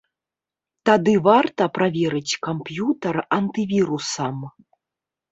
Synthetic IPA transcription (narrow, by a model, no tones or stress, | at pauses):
t̪ad̪ɨvart̪ɐpɾʔavʲɛɾɨt͡sʲkampjut̪ɐrɐnt̪ɨvʲiɾusɐm